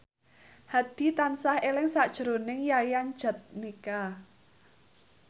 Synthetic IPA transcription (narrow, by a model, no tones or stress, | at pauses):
had̪̥i̤t̪ansahelɪŋsad̥ʒ̥ɾonɪŋjajan̥d͡ʒ̥a̤t̪̚nika